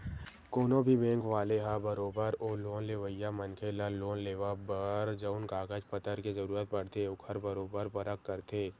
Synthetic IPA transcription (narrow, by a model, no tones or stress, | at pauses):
koːnõbʱibɛ̃ːŋkʋaːleɦabəɾoːbəɾoːloːnleːʋəjaməŋkʰeːlaloːnleːʋabəɾd͡ʒəʊnkaːɡəd͡ʒpət̪əɾkezɐɾuːɾət̪̚pɐɽt̪ʰeʊkʰəɾbəɾoːbəɾpəɾəkːəɾt̪ʰeː